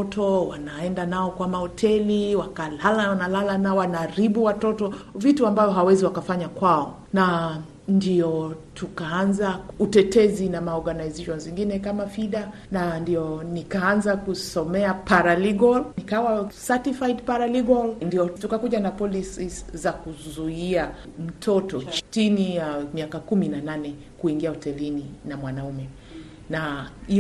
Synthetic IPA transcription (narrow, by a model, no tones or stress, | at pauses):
ɔtʰɔwa̰naɛndanaɔkwamahɔtʰɛliwakalalanalalanawanaɾiɓuwatɔtɔvituambavjɔɦawɛziwakafaɲakwaɔ | na | ndiɔtʰukaanzautɛtɛzinamaɔɾɡanaizeʃɔnziŋɡinɛkamafiɗa | nandiɔnikaanzakusɔmɛapaɾaliɡɔlnikawasatifajtpaɾaliɡɔlndiɔtukakuʄanapɔlisizakuzuia | m̩tʰɔtɔt͡ʃtinijamiakakuminananɛ | kuiŋɡiahɔtɛlininamwanaumɛ | nai